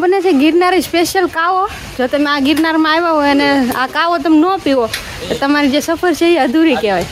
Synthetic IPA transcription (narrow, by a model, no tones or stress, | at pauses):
bənet͡ʃʰeɡɪɾnaɾispeʃjəlkaʋo | d͡ʒot̪əmeãɡɪɾnaɾmãajʋãɦojənea̰kaʋot̪əmnopiʋo | t̪ot̪əmaɾid͡ʒesəfʰəɾt͡ʃʰeiəd̪ʱuɾikeʋaj